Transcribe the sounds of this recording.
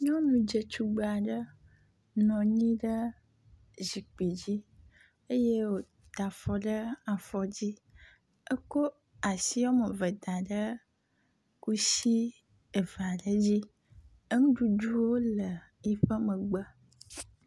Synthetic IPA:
ɲɔ̃˦nũ˨d͡ʒə˨t͡ʃu˦ɡ͡bə˨a˨ɖə˦ | nɔ̃˨ɲĩ˦ɖə˦ | zi˨k͡pi˨d͡ʑi˦ | e˦je˦wo˨ | t̪a˨fɔ˨ɖə˦a˨fɔ˨d͡ʑi˦ | ə˦ko˦ | a˨si˦wo˦mə˨və˨d̪a˨ɖə˦ | ku˦si˦ | ə˨va˨ɖə˦d͡ʑi˦ | ə˦ŋũ˦ɖu˦ɖu˦wo˦lə˨ | i˦ɸə˦mə̃˨ɡ͡bə˦

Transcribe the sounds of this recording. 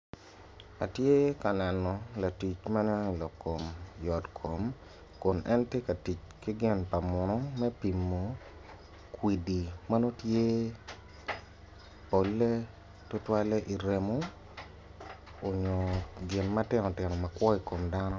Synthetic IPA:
a̰˨tje˦ka˨nɛ˨nɔ˨la˨ti˨t͡ʃma˦nɛ˦˨lɔ˨kːo˨mjɔ˨tkʰo˨m | ko˨nɛ˦nte˦ka˨ti˨t͡ʃ | ki˦ɡɪ˦npa˨mʊ˨nɔ˦mɛ˦pi˨mːo˨ | kwi˨di˨ma˦no˦tje˦ | po˨lːe˦ | tʊ˦twa˦le˦ʔi˨ɾe˨mo˦ | o˨ɲo˨ɡɪ˨nma˦tɪ˦nɔ˨tɪ˨nɔ˨ma˨kwɔ˦i˨ko˨mda˦nɔ˦

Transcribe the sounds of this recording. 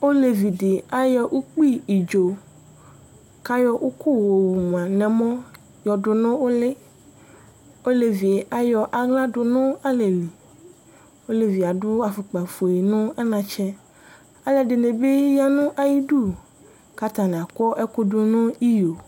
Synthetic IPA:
o˦le˨vi˨ɖe˨a˨jɔ˦ʔu˦k͡pi˦˨i˨d͡ʒo˨ | ka˦jɔ˦ʔu˦kʰo˦wo˨wu˨m˨ã˨nɛ̃˨mɔ̃˦ | jɔ˨ɖʊ˨nʊ̃˦wo˦le˦ | o˦le˨vi˨e˨ʔa˨jɔ˨ʔa˨ɡlã˦ɖʊ˨nʊ̃˦a˦le˨li˨ | wo˦le˨vi˨a˨ɖʊ˦a˨fu˨k͡pa˨fo˨e˨nʊ̃˦a˦nã˨t͡ʃɛ˦ | a˨le˨de˨nẽ˨be˦ja˦nũ˦ʔa˨ji˦ɖu˦˨ | ka˦t̪ã˨nɛ̃˨a˨kɔ˦ʔe˦ko˦dʊ˦nʊ̃˦i˦jo˨

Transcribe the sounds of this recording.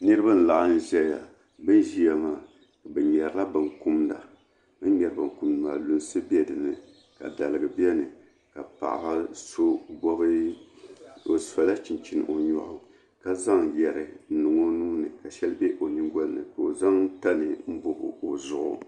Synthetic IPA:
nɨ˦ɾɨ˦ba˦n̩˦la˨ʔa˦n̩˦ʒɛ˦lja˨ | bɨ˦n˦ʒi˦a˦maː˨ | ka˨bɨ˨ɲɛ˨ɾɨ˦la˦bɨ˨ŋku˦mda̰˨ | bɨ˦n˦ɲɛ˨ɾɨ˨bɨ˨ŋku˦mndɨ˨maː˨lu˦n˦sɨ˦bi˦ɛ˦dɨ˨nɨ˨ | ka̰˨da˨lɨ˨ɡɨ˨bɛ˦nɨ˨ | ka˨pa̰˨ʔa̰˨ba˦so˦ɡɔ˦bɨ˦ | o˨sa˨la˦t͡ʃi˨n˨t͡ʃi˦n˨ʔo˨ɲɔ̰˨ʔʊ˦ | ka˦za˦ŋjɛ˨ɾɨ˨n̩˦nɨ˨ŋo˦nuː˦nɨ˨ka˨ʃɛ˦lbɛ˦ʔo˨nɨ˦ŋɡɔ˦lnɨ̰˨ka˨o˨za˦ŋ˦ta˦nɨ˨m̩˦bo˦ʔʊ̰˨o˨zʊ˨ʔʊ̰˨

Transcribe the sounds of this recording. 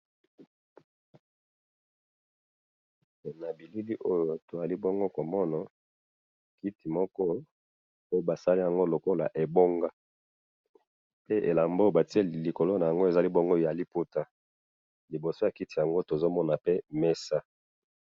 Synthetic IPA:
na˨bi˨li˦li˦ʔo˦jo˨to˨za˨li˦bo˦ŋɡo˦ko˨mɔ˦na˨ | ki˦ti˨mɔ˦kɔ˦ | o˦jo˨ba˨sa˦li˦ja˨ŋɡo˦lo˨ko˦la̰˨ʔe˨bo˦ŋɡa˦ | pe˦ʔe˨la˨mbo˦˨ba˨ti˦e˦li˨ko˨lo˦na˨ja˨ŋɡo˦e˨za˨li˦bo˦ŋɡo˦˨a˨li˦pu˦ta˦ | li˨bo˨so˦˨a˨ki˦ti˨ja˨ŋɡo˦to˨zo˦mɔ˦na˨pe˦mɛ˦sa˦

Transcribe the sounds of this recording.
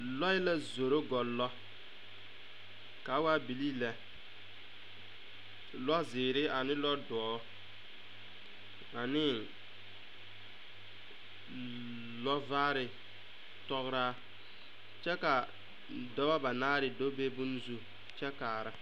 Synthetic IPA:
lɔ˦ɪ˦la˦zo˨ɾo˦ɡɔ˨lːɔ˦ | ka˨˦wa˦bi˨li˦lɛ˨ | lɔ˦zɪː˨ɾɪ˦a˨nɪ˦lɔ˦dɔ˨ɔ˨˦ | a˨nɪ˦ | lɔ˦vaː˦ɾɪ˨ | tɔ˦ɣɾaː˦ | t͡ʃɛ˦ka˨ | dɔ˦ba˦ba˨naː˦ɾɪ˨do˦be˦bu˦nzu˦ | t͡ʃɛ˦kaː˨ɾa˦

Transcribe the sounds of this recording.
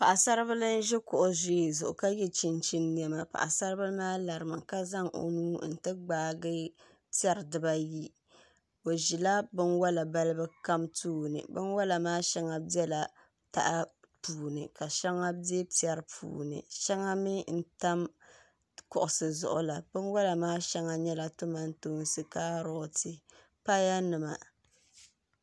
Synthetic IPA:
pa˨ʔa˨sa˦ɾɨ˦βɨ˦lɨ˦n˦ʒɛ˦kʊ˨ʔʊ˨zo˦e˨zʊ˨ʔʊ̰˨ka˦jɛ˦t͡ʃi˦nt͡ʃi˦nːi˨ɛ˦ma˨pa̰˨ʔa˨sa˦ɾɨ˦bɨ˦lmaː˦la˨ɾɨ˨mɨ˨ka˦za˦ŋo̰˨nuː˦n̩˨tɨ˦ɡ͡baː˨ɡɨ˦ | pi˦a˦ɾdɨ˨ba˦ji˦ | o˨ʒi˨la˦bɨ˦nwa˦la˨ba˦lɨ˦bɨ˦ka˦mtuː˦nɨ̰˨bɨ˦nwa˦la˨maː˦ʃɛ˦ŋa˦bi˦ɛ˦la˨ | ta̰˨ʔa˦ | puː˨nɨ˨ka˨ʃɛ˦ŋa˦bi˦ɛ˦pi˦ɛ˨ɾɨ˦pʰṵː˨nɨ̰˨ʃɛ˦ŋa˦mi˦n̩˦ta˦m | kʊ˨ʔʊ˨sɨ˨zʊ̰˨ʔʊ̰˦la˨bɨ˦nwa˦la˨maː˦ʃɛ˦ŋa˨ɲɛ˦la˨tʊ˦ma˦n̩˦to˦n˨sɨ˨kaː˦ɾɔ˦tɨ˨ | pa˦ja˦nɨ˨ma̰˨

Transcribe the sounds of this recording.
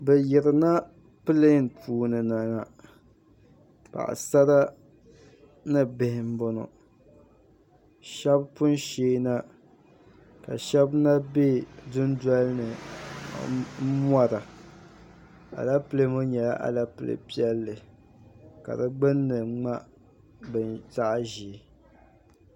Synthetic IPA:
bɛ˨jɪ˨ɾɨ˨na˦ | pɨ˦le˦n˨pʰuː˦˨nɨ˨na˨na˨ | pa̰˨ʔa̰˨sa˦ɾa˦ | nɨ˦bɪ˨hɪ˨m̩˦bo˨no̰˨ | ʃɛ˦bpʊ˦n˦ʃeː˦na˦ | ka̰˨ʃɛ˦bna˦be˦dʊ˦n˦da˦lnɨ˨˦ | m˦a˦ɾa˨ | a̰˨la˦pɨ˦le˦mo˦ɲɛ˨la˦ʔa̰˨la˦pɨ˨lḛ˨pi˦ɛ˦lːɨ˨ | ka̰˨dɨ˦ɡ͡bɨ˦nːɨ˨ŋ͡ma˦ | bɨ˨nta˦ʔa˦ʒiː˨˦˨

